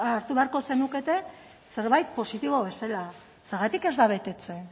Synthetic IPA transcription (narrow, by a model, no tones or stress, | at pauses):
aɾt̪uβe̞aɾko̞se̞nuke̞t̪e̞ | se̞ɾβajt̪̚po̞sit̪iβoβe̞sela | seɾɣat̪ike̞zd̪aβ̞e̞t̪e̞t͡se̞